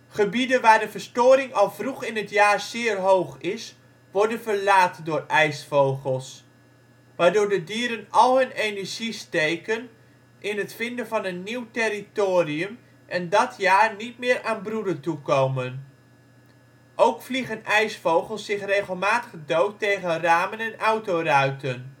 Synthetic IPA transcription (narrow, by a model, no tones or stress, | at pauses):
χəbidənʋaːɹdəvəɹstoːɾɪŋɑlˠvruχɪnətjaːɹz̥ɪːərɦowχɪs | ʋɔɹdənvəɹlaːtdʊːrʔɛjsfowχəlˠs | ʋaːɹdʊːɹdədiːəɾənɑlˠɦɵnejnəɹʒistejkən | ʔɪnɦətfɪndəvɑnənːiwtɪɾitoːriəm | ʔɛndɑtʰjaːɹnit̚mɪːɹʔaːnbrudətukowmən | ʔowkfliχənʔɛjsfowχəlˠsɪχreχəlˠmaːtəχdowtːejχənraːmənɛnɑwtowrœɥtən